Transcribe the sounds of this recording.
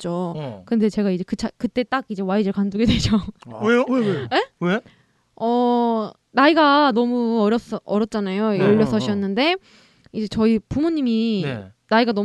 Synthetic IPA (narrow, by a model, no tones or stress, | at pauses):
t͡ɕ͈okɯnde̞t͡ɕe̞ɡaid͡ʑe̞kɯt͡ɕʰakɯt͈e̞t͈aɡ̚id͡ʑe̞waid͡ʑɯɭkanduɡe̞dwe̞d͡ʑoweewee̞we | ʌ | naiɡanʌmuʌɾjʌs͈ʌʔʌɾjʌt̚t͡ɕ͈anajojʌʎːʌs͈ʰʌɕʰiʌnːɯnde̞ | id͡ʑe̞t͡ɕʌipumuɲːimi | naiɡanʌ